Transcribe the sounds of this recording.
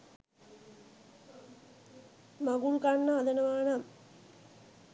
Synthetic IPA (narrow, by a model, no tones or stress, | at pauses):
maɡuɭkaɳːaːd̪ɐnɐʋaːnam